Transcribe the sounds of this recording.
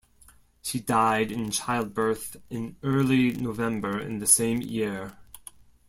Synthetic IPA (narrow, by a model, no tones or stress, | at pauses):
ʃidaɪɾɨ̃nt͡ʃʰaɪlˠd̚bɜ˞θɨ̃nɜ˞lˠinoʊvɛ̃mbə˞ɨ̰̃nðɨsẽɪ̃mjɪɹ